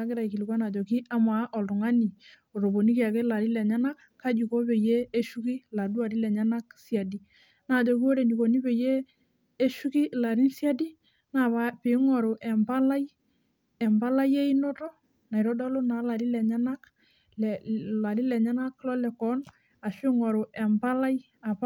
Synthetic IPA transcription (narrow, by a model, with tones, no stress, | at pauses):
a˦kɪ˦ɾa˨i˨ki˨li˨kwa˦na˨d͡ʒɔ˨ki˦a˦ma˨˦ʔɔ˨ltʊ˨ŋa˦ni˨ | o˨ɾo˨bo˨ni˦ki˨a˨kɛ˦la˨ɾi˦lɛ˨ɲa˦na˦k | kːa˦d͡ʒu˨kɔ˦pe˨jeː˦ʃu˦ki˦la˨du˦a˨ɾi˦lɛ˨ɲa˦na˦ksia˨di˨ | na˨d͡ʒɔ˨ki˦o˦ɾe˨ni˨ko˨ni˦pe˨jeː˦ | ʃu˦ki˦la˨ɾi˦nsja˦di˦ | na˨βa˦pe˨˦ŋɔ˨ɾo˨ʔɛ˨mba˦la˦j | ɛ˨mba˦la˦je˦i˦no˦tɔ˦ | na˨i˨ɾɔ˦dɔ˦lo˦na˨˦la˨ɾi˦lɛ˨ɲa˦na˦k | lla˨ɾi˦lɛ˨ɲa˦na˦kːlɔ˦lɛ˨kɔ˦n | a˨ʃɪ˦ŋɔ˨ɾo˨ʔɛ˨mba˦la˦j | a˨p